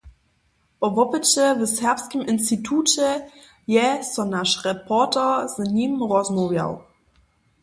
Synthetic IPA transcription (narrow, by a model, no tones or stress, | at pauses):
pɔvɔpət͡ɕɛvəsɛɐpskəmʔɪnstitʰuːt͡ɕɛ | jɛsɔnaʃʁɛpʰɔtɛzɲiːmʁɔzmovja̰w